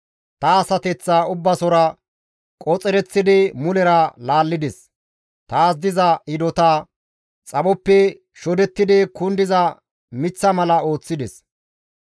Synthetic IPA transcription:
t̪ɐːsɐt̪ɛt͡sːaːʊbːɐsɔɾɐ | kʼɔt͡sʼɛɾɛt͡sːɪd̪ɪmʊlɛɾɐlaːlːɪd̪ɛs | t̪aːs̬d̪ɪzɐɪd̪ɔt̪aː | t͡sʼɐbɔpːɛ | ʃɔd̪ɛt̪ːɪd̪ɪkʊnd̪ɪzɐ | mɪt͡sːɐmɐlɐo̞ːt͡sːɪd̪ɛs

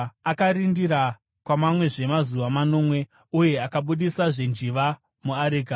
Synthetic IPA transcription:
akaɾindiɾa | kwamamwe̞ʐe̞mazuʋamano̞ːmwe̞ | uje̞akaɓuɗisaʐe̞nd͡ʒiʋa | muaɾiːɡa

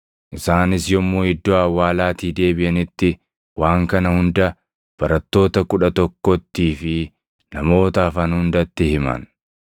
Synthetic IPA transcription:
ʔɪsaːnɪsjɔmːoːhɪd̪ːoɐwːaːlaːt̪iːd̪e̞ːbɪʔɐnɪt̪ːɪ | waːŋkɐnɐhʊnd̪ɐ | b̥ɐɾɐt̪ːo̞ːt̪ɐkʊᶑɐt̪ɔkːɔt̪ːiːfɪ | nɐmo̞ːt̪aːfɐnhʊnd̪ɐt̪ːɪhɪmɐ̰n

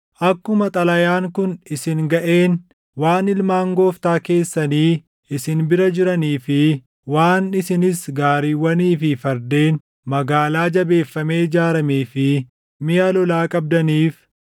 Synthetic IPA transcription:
ʔɐkːʊmɐt̪ʼɐlɐjaːŋkʊnɪsɪŋɡɐʔe̞ːn | waːnɪlmaːŋɡo̞ːft̪aːke̞ːsːɐniː | ɪsɪnbɪɾɐd͡ʒɪɾɐniːfɪ | waːnɪsɪnɪsɡaːɾiːwːɐniːfɪfɐɾd̪e̞ːn | mɐɡaːlaːd͡ʒɐbe̞ːfːɐme̞ːɪd͡ʒaːɾɐmeːfɪ | mɪjaːlɔlaːkʼɐb̚d̪ɐniːf

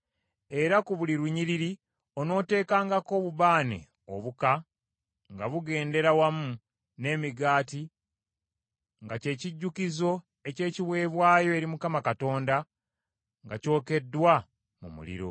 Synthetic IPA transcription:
e̞ɾakuβuliɾuɲiɾiɾi | o̞no̞ːte̞ːkaːŋɡako̞ːβuβaːne̞̰ | o̰βuka | ŋɡaβuɡe̞ːnde̞ɾawamu | ne̞ːmiɡaːti | ŋɡace̞ːciɟːukizo̞ | e̞ce̞ːciβwe̞ːβwaːjo̞eɾimukamakato̞ːnda | ŋɡaco̞ːke̞dːwa | mṵmṵlḭɾo̞̰

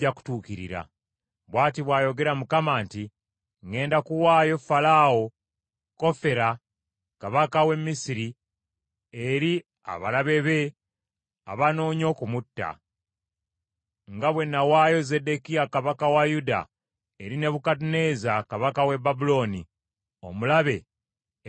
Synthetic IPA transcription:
aku̥tuːkiɾḭɾa̰ | βwaːtiβwaːjo̞ɡe̞ɾamukamaːnti | ŋe̞ːndakuwaːjo̞falawo̞ | ko̞fe̞ɾa | kaβakawe̞mːisiɾi | eɾi | a̰βalaβe̞βe̞ | a̰βano̞ːɲo̞ːkumutːa̰ | ŋɡaβwe̞nːawaːjo̞ze̞de̞kijakaβakawajuda̰ | eɾine̞βukat̬une̞ːzakaβakawe̞babulo̞ːni | o̞mulaβe̞

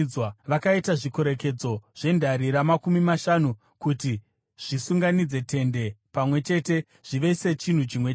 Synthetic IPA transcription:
waʋakaitaʐikoɾe̞ke̞d͡zo̞ʐ̥e̞ndaɾiɾamakumimaʃanu | kuti | ʐ̥isuŋɡanid͡ze̞tʰe̞nde̞pamwe̞t͡ʃe̞te̞ | ʐ̥iʋe̞set͡ʃin̤ut͡ʃimwe

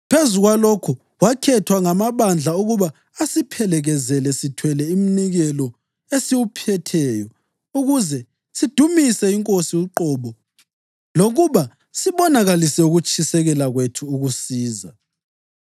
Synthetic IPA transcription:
pʰezuɣwalokʰu | wakʰɛtʰwaŋamaβand͡ɮʱauɣuβaː | sipʰɛlɛɣɛzɛlɛsitʰwɛlɛim̩niɣɛlɔ | esiwupʰɛtʰɛːjɔ | uɣuzɛ | sid̥ʱumisɛiŋkʼosiuǃɔβɔ | loɣuβa | siβɔnaɣalisɛuɣut͡ʃʼʰisɛɣɛlaɣwetʰuːɣusiːza

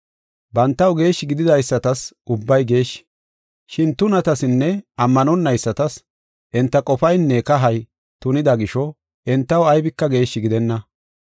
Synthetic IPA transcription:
bɐnt̪ːɐwɡe̞ːʃːɪɡɪd̪ɪd̪ɐjsːɐt̪ɐsʔʊbːɐjɡe̞ːʃ | ʃɪnt̪ʊnɐt̪ɐsɪnːɛʔɐmːɐnɔnːɐjsːɐt̪ɐs | ʔɛnt̪ːɐkʼɔfɐjnːɛkɐɦɐj | t̪ʊnɪd̪ɐɡɪʃɔ | ʔɛnt̪ːɐwɐjbɪkːɐɡe̞ːʃːɪɡɪd̪ɛnːɐ

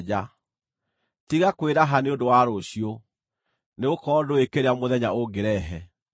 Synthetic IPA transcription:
a | tiɣakweɾaɦaneondowaɾoɕio | neɣokɔdoekeɾeamoðɛɲaoɡeɾɛɦɛ

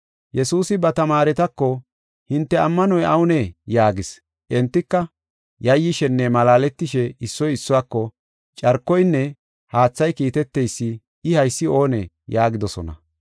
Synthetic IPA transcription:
jɛsuːsɪbɐt̪ɐmaːɾɛt̪ɐkːɔ | hɪnt̪ːɛɐmːɐnɔjʔɐwʊnɛjaːɡɪs | ʔɛnt̪ːɪkːɐ | jɐjːɪʃɛnːɛmɐlaːlɛt̪ːɪʃɛɪsːɔjɪsːʊwaːkːɔ | t͡ʃʼɐɾkːɔjnːɛ | haːt͡sːɐjkiːt̪ɛt̪ːɛjsːɪ | ɪhɐjsːɪo̞ːnɛ̰ | jaːɡɪd̪ɔsɔ̰nɐ̰

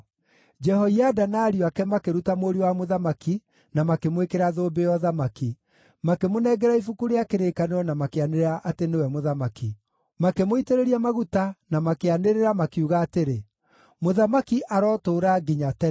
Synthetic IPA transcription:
d͡ʒɛhɔiadanaːɾiakɛmakeɾutamoɾiwamoðamaki | namakemwekeɾaðoːbejɔðamaki | makemonɛːɡɛɾaifukuɾeakeɾekaneɔnamakeaneɾeɾaʔatenewɛmoðamaki | makemoiteɾeɾiamaɣutanamakeaneɾeɾamakiuɣaːteɾe | moðamakiʔaɾɔtoːɾaɡiɲatɛ

